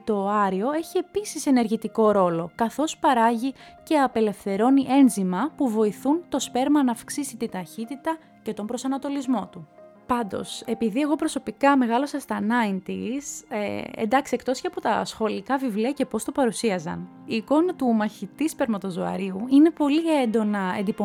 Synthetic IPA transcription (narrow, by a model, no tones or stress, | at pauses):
t̪o̞ɐɾio̞e̞çie̞pisise̞ne̞ɾʝit̪iko̞ɾo̞lo̞kɐθo̞spɐɾɐʝice̞ɐpe̞le̞fθe̞ɾo̞niʔe̞nzimɐpuvo̞iθunt̪o̞spe̞ɾmɐnɐːfksisit̪it̪ɐçit̪it̪ɐ | ce̞t̪o̞mbɾo̞sɐnɐt̪o̞lizmo̞t̪u | pɐnd̪o̞̰se̞piðie̞ɣo̞pɾo̞so̞pikɐme̞ɣɐlo̞sɐst̪ɐnɐint̪isḛnd̪ɐksiekt̪o̞sceɐpo̞t̪ɐ̰sxo̞likɐvivliɐce̞po̞st̪o̞pɐɾusiɐzɐ̰n | iːko̞nɐt̪umɐçit̪ispe̞ɾmɐt̪o̞zoɐ̰ɾiuine̞po̞liend̪o̞nɐḛnd̪ipo